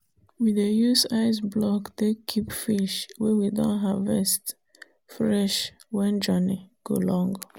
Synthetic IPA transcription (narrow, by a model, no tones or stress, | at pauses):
widejusaɪs̬blɔkdekʰipfiʃwewidɔ̰̃nɦavɛst | fɹɛʃ | wɛ̃nd͡ʒɔniɡ̥o̰lɔ̃ŋɡ